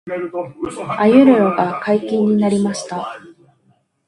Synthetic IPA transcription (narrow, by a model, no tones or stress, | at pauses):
ajɯ̟ɾɯɾoɡakaikʲĩɲ̟ːinaɾʲimaɕi̥t̪a